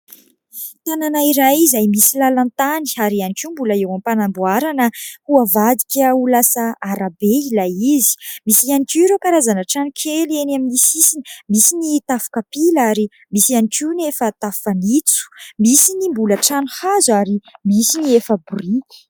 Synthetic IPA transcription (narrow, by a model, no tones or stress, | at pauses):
t̪ananaiɾajizajmisilalant̪aniaɾianikiumbuləewampanambuaɾanəhuavad̪ikʲəulasəaɾabeilajizi̥misianikʲuɾokaɾazanəʈ͡ʂanikʲʰelenaminisisini̥misinit̪afu̥kapilaɾi | misianikiunefət̪afanit͡su̥misinimbuləʈ͡ʂanuhazuaɾimisiniefəburi̥